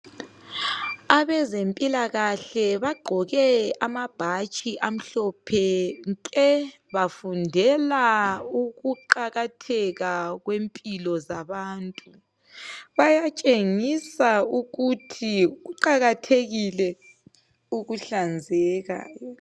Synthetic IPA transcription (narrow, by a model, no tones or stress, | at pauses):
aβɛzempʼilaɣaɬɛβaɡ͡ǃʱɔɣɛamab̥ʱat͡ʃʼiʔam̩ɬɔpʰɛŋkʼɛ | βafundʱɛlauɣuǃaɣatʰɛɣaɣwempʼilɔzaβaːntʼu | βajat͡ʃʼeŋisauɣutʰiɣuǃaɣatʰeɣilɛ | uɣuɬand͡zʱɛːɣa̰jɔ